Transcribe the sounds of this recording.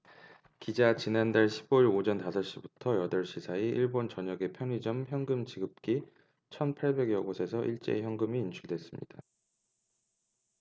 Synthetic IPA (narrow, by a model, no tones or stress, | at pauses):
kid͡ʑat͡ɕinandaɭɕʰiboiɾod͡ʑʌntasʰʌɕ͈ibutʰʌjʌdʌɭɕ͈isʰaiʔiɭbont͡ɕʌɲʌɡe̞pʰjʌŋid͡ʑʌmçjʌŋɡɯmd͡ʑiɡɯp̚k͈i | t͡ɕʰʌnpʰaɭbe̞ɡjʌɡosʰe̞sʰʌʔiɭt͡ɕ͈ḛçjʌŋɡɯmiːnt͡ɕʰuɭdwe̞s͈ɯmɲḭd̥a̰